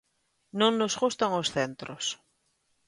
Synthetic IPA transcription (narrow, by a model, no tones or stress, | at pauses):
nõŋnozɣust̪aŋosθent̪ɾos